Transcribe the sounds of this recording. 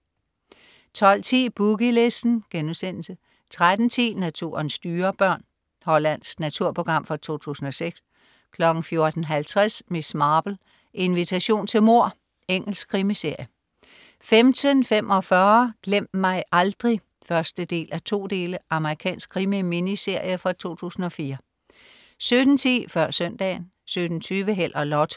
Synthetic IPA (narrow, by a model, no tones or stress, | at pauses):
t͡sʰɒ̽l̰t͡sʰḭːb̥uɡ̥ile̝sd̥n̩ɡ̥enusen̰l̩sə | t͡sʰʁad̥n̩t͡sʰḭːnæt͡sʰṵːɐnsːd̥yːɐb̥ɶɐ̰n | hɒ̽læn̰snæt͡sʰuɐ̰pʰo̝ɡ̥ʁɑ̈m̰fɒt͡sʰo̝̰ːt͡sʰṵːsn̩ɒ̽seɡ̥s | kʰlɒ̽ɡ̥n̩fjo̝ɐd̥n̩ɦælt͡sʰʁasmesmɑ̈ːb̥l̩ | ʔe̝nʋit͡sʰæɕo̝̰ːnt͡sʰe̝lmo̝ɐ̰ | eŋ̰l̩sɡ̥kʰʁimise̝ɐ̰jə | femt͡sʰənfem̰ʔɒ̽fɶɐɡ̥lem̰d̥mɑ̈ɪʔɑ̈ld̥ʁi | fɶɐsd̥əd̥e̝̰ːlʔæt͡sʰo̝̰ːd̥e̝ːləʔɑ̈məʁikʰɛ̰ːnsɡ̥̚ʰʁimiminise̝ɐ̰jəfʁɑt͡sʰo̝̰ːt͡sʰṵːsn̩ɒ̽fiːɐ | sød̥n̩t͡sʰḭːfɶɐ̰sœn̰d̥ɛ̰ːn | sød̥n̩t͡sʰyːʋəɦel̰ʔɒ̽lɒt͡sʰo̥